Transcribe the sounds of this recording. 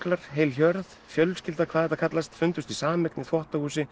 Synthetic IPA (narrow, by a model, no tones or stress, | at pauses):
klaɾ̥ɦeːjlçœɾð | fjœlscɪlt̪akʰvaðɛt̪akʰat̪last̪fʏnt̪ʏst̪isaːmɪknɪθɔht̪ahuːsɪ